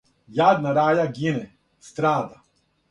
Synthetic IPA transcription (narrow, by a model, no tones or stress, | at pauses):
jaːd̪naɾaːjaɡinɛ | st̪ɾaːd̪a